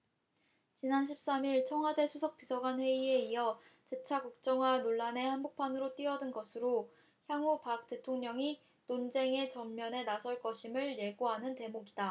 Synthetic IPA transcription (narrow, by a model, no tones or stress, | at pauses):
t͡ɕinanɕʰip̚s͈amiɭt͡ɕʰʌŋɦwade̞sʰusʰʌk̚p͈isʰʌɡanɸwe̞ie̞iʌt͡ɕe̞t͡ɕʰakuk̚t͡ɕ͈ʌŋɦwanoɭːane̞hanbok̚pʰanɯɾot͈iʌdɯnɡʌsʰɯɾo | çjaŋupak̚t͈e̞tʰoŋɲʌŋi | nond͡ʑe̞ŋe̞t͡ɕʌmːjʌne̞nasʰʌɭk͈ʌɕʰimɯɭje̞ɡoɦanɯnte̞moɡida